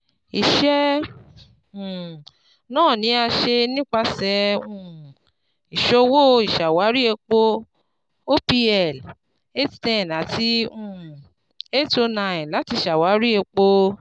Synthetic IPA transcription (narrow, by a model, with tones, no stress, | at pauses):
i˨ʃɛ˦˨ | nãː˦˨nĩ˨˦a˧ʃe˧nĩ˦k͡pa˧sɛ˨˦ũ˦˨ | i˨ʃo˧wo˦i˨ʃa˨wa˨˦ɾi˦e˧k͡po˧ | o˦pi˧ɛ˦˨l | e˦ttɛ̃˨na˨ti˧ũ˨ | e˦to˧nã˨la˨˦ti˧˨ʃa˨wa˨˦ɾi˦e˧k͡po˧